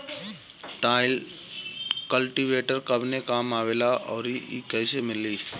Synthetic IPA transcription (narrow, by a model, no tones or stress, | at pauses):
ʈaːɪl | kəlʈiʋeːʈəɾkɐbnekaːmaːʋeːlaʔɔːɾiḭkɛːsemɪliː